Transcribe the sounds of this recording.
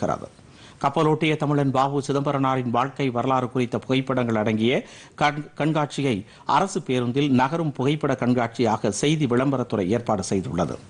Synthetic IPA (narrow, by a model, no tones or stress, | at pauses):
ɣɪɾɐ̰ðɯ̰ | kɐpːɐloːʈːɪjɐt̪ɐmɪɭɐnbaːʋɯsɪðɐmbɐɾɐnaːɾɪnʋaːɻkɐɪʋɐɾɐlaːɾɯkʊrɪt̪ːɐpʊɣɐɪpːɐɽɐŋɡɐɭɐɽɐŋɡɪjɐ | kɐɳɡaːʈ̚t͡ʃɪjɐɪ | ʔɐ̰ɾɐsɯpeːɾɯnd̪ɪlnɐɣɐɾɯmpʊɣɐɪpːɐɽɐkɐɳɡaːʈ̚t͡ʃɪjaːɣɐsɛjðiʋɪɭɐmbɐɾɐt̪ːɯrɐɪeːɾpaːɽɯsɛjðʊɭːɐ̰ðɯ̰